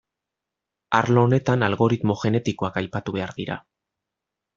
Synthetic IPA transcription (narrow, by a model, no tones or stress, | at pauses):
aɾlo̞ːne̞t̪analɣo̞ɾit̪mo̞ʝe̞ne̞t̪iko̞akajpat̪uβ̞e̞aɾðiɾa̰